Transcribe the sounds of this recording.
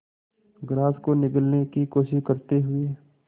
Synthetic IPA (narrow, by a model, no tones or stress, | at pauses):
ɡɾaːskonɪkəlnekikoːʃɪʃkəɾt̪eɦʊeː